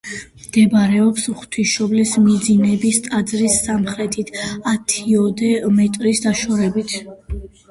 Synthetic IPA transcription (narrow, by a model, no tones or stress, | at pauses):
md̪̥ɛbaɾɛɔpsχt̪ʰiʃɔblismid̪zinɛbist̪ʼad̪zɾisːamχɾɛt̪ʰit̪ʰat̪ʰiɔd̪ɛmɛt̪ʼɾisd̪aʃɔɾɛbit̪ʰ